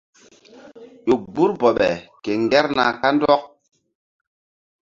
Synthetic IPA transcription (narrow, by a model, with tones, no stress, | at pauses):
ɗo˨k̚bu˦ɾbɔ˨ɓɛ̰˨ke˨ŋɡɛ˦ɾna̰˨ka˦ndɔ˦k̚